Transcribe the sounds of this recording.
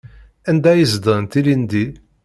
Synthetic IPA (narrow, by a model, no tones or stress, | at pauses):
ænd̪æjəzd̪ənt̪ilind̪i